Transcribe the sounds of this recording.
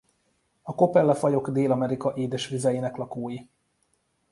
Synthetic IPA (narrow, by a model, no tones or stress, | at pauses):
ɒko̞pɛlːɛfɒjo̞ɡd̪eːlɒmɛɾikɒʔeːd̪ɛʃʋizɛjeːnɛklɒkoːji